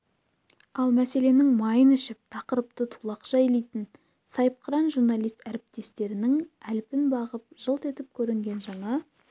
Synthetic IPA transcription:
ɑlˠmæse̞le̞nɪŋmɑjənɪʃɪp̚t̪ʰɑqəɾəp̚t̪ət̪ʰu̥lˠɑqʒ̥ɑjlejt̪ɪn | sɑjp̚qʰəɾɑnʒuɾnɑlˠijst̪æɾɪp̚t̪e̞st̪e̞ɾɪnɪŋælpɪnbɑʁəp̚ʒ̥əlˠt̪e̞t̪ɪp̚kʲʰɵɾɪŋɡʲe̞nʒɑɴɑ

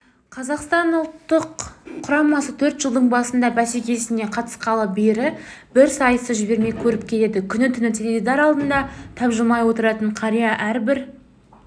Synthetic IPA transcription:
qʰɑzɑqst̪ɑnʊlˠt̪ːəqʰːʊɾɑmɑsət̪ʰɵɾt̪ʒ̥əlˠd̪əɴbɑsənd̪ɑbæsekʲe̞sɪne̞qʰɑt̪ə̥sqɑlˠəbeɾɪb̥ɪɾsɑjəsəʒɪbe̞ɾme̞kʲʰɵɾɪp̚kʲʰe̞le̞d̪ɪkʲʰʏnɪt̪ʰʏnɪt̪ʰelʲed̪id̪ɑɾɑlˠd̪ənd̪ɑt̪ʰɑpʒəmɑjwo̞t̪əɾɑt̪əɴqʰɑɾijɑʔæɾbɪɾ

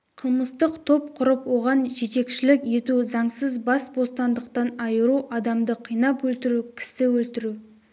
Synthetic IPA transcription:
qʰəlˠməst̪əqt̪ʰo̞p̚qʰʊɾəpwo̞ʁɑnʒe̞t̪e̞kʃɪlɪkje̞t̪uzɑɴsəzbɑsbo̞st̪ɑnd̪əqt̪ɑnɑjəɾuʔɑd̪ɑmd̪əqʰijnɑpwɵlt̪ɪɾukʲʰɪ̥sɪwɵlt̪ɪɾu

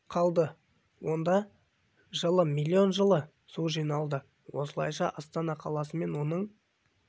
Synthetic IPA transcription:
qʰɑlˠd̪ə | wo̞nd̪ɑ | ʒəlˠəmilʲːio̞nʒəlˠə | suʒijnɑlˠd̪ə | wo̞səlˠɑ̰jʃɑ̰ʔɑst̪ɑnɑqʰɑlˠɑsəme̞nwo̞nəɴ

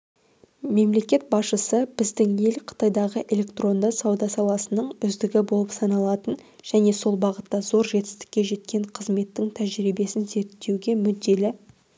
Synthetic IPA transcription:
me̞mle̞kʲe̞t̪̚bɑsʃəsəb̥ɪzd̪ɪŋje̞lqʰə̥t̪ɑjd̪ɑʁəʔe̞lʲe̞kt̪ro̞nd̪ɑsɑwd̪ɑsɑlˠɑsənəɴʏzd̪ɪɡʲɪbo̞lˠəpsɑnɑlˠɑt̪ən | ʒ̥æne̞so̞lˠbɑʁət̪ːɑzo̞ɾʒe̞t̪ɪ̥st̪ɪ̥kʲːe̞ʒe̞t̪̚kʲe̞ɴqʰəzme̞t̪ːɪŋt̪ʰæʒɾibe̞sɪnze̞ɾt̪ːe̞wɡʲe̞mʏd̪ːe̞lɪ

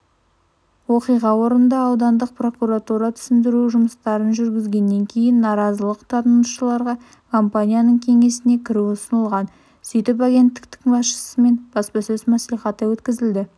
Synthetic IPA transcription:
wo̞qijʁɑwo̞ɾənd̪ɑːwd̪ɑnd̪əq̚pro̞kuɾat̪uɾat̪ʰʏ̥sɪnd̪ɪɾuʒʊməst̪ɑɾənʒʏɾɡʲɪzɡʲe̞nːe̞ŋkʲʰe̞jɪnːɑɾɑzəlˠəqt̪ʰɑt̪ənuʃəlˠɑɾʁɑ | kʰompanʲijanəɴkʲʰe̞ŋe̞sɪne̞kʲʰɪɾuʊsənəlˠʁɑn | sʏjt̪ɪp̬aɡʲe̞nt̪ːɪ̥kt̪ɪŋbɑsʃə̥səme̞nb̥ɑspɑsɵzmæsliχɑt̪ːəwɵt̪kʲɪzɪld̪ɪ

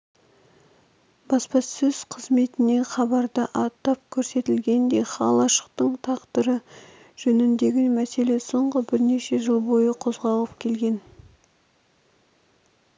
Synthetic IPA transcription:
bɑspɑsɵz̥qʰəzme̞t̪ɪne̞χɑbɑɾd̪əʔɑt̪ːɑp̚kʲʰɵɾse̞t̪ɪlɡʲe̞nd̪e̞χɑ̰lˠɑʃə̥q̚t̪əɴt̪ʰɑqt̪əɾə | ʒ̥ɵnɪnd̪e̞ɡʲɪnmæse̞le̞so̞ɴʁəbɪɾne̞ʃe̞ʒəlˠbo̞jəqʰo̞zʁɑlˠəp̚kʲʰe̞lɡʲe̞n

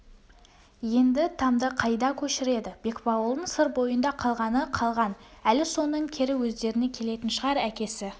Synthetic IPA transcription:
je̞nd̪ɪt̪ʰɑmd̪əqʰɑjd̪ɑkʲʰɵʃɪɾe̞d̪ɪb̥e̞kbɑwəlˠd̪əɴsəɾbo̞jənd̪ɑqʰɑlˠʁɑnəqʰɑlˠʁɑnælɪso̞nəɴkʲʰeɾɪwɵzd̪e̞ɾɪne̞kʲʰe̞le̞t̪ɪnʃəʁɑɾækʲe̞sɪ

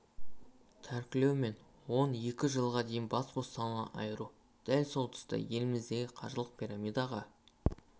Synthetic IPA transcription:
t̪ʰæɾkʲɪlewme̞n | wo̞ne̞kʲɪʒəlˠʁɑd̪e̞jɪnbɑsbost̪ɑnɑ̰ʔɑjəɾu | d̪̥ælso̞lˠt̪ʰʏ̥st̪ə̰je̞lɪmɪzd̪e̞ɡʲɪqʰɑʒəlˠəq̚pʰʲijɾɑmijd̪ɑʁɑ

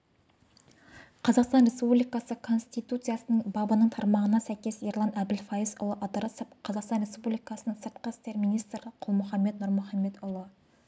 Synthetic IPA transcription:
qʰɑzɑqst̪ɑnɾʲe̞spublijkɑsəkʰo̞nst̪ijt̪ut̪sɨjaɑsənəɴbɑbɑnəɴt̪ʰɑɾmɑʁənɑsæjkʲe̞siɾlˠɑnæbd̪ɪlfɑjisʊ̰lˠəʔɑd̪əɾɑsəp̚qʰɑzɑqst̪ɑnɾe̞spublijkɑsənəŋsəɾt̪̚qəst̪eɾminijst̪rəqʰʊlˠmʊχɑmːet̪̚nʊɾmʊχɑmːe̞t̪ʊlˠə

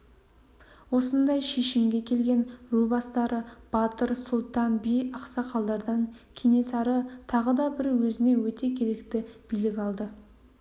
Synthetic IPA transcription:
wo̞sənd̪ɑjʃe̞ʃɪmɡʲe̞kʲʰe̞lɡʲe̞nrubɑst̪ɑɾʔəb̥ɑt̪əɾsʊlˠt̪ɑnbijɑqsɑqʰɑlˠd̪ɑɾd̪ɑŋkʲʰene̞sɑɾət̪ʰɑʁəd̪ɑbɪɾwɵzɪne̞wɵt̪e̞kʲʰe̞ɾe̞kt̪ɪb̥ijlɪkʲɑlˠd̪ə

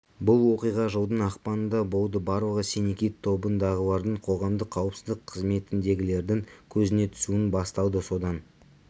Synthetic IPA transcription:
bʊlˠwo̞qijʁɑʒəwˠd̪ənɑqpɑnənd̪ɑbolˠd̪əbɑɾlˠəʁəsenekʲijt̪ʰːo̞bənd̪ɑʁəlˠɑɾd̪əɴqʰo̞ʁɑmd̪əqʰɑwəpsɪzd̪ɪqʰːəzme̞t̪ɪnd̪e̞ɡʲɪle̞ɾd̪ɪŋkʲʰɵzɪne̞t̪ʰʏ̥suɪnbɑst̪ɑw̪ˠd̪əso̞d̪ɑn

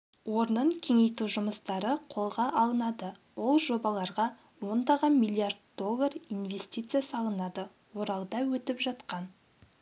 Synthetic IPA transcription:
wo̞ɾnəɴkʲʰe̞ŋe̞jt̪uʒʊməst̪ɑɾəqʰo̞lˠʁɑʔɑlˠənɑd̪əwo̞lˠʒo̞bɑlˠɑɾʁɑ | wo̞nd̪ɑʁɑmilˠiard̪̚d̪o̞lˠːarinve̞st̪ʲijt̪sɨjasɑlˠənɑd̪ə | wo̞ɾɑlˠd̪ɑwɵt̪ɪpʒɑt̪qɑn

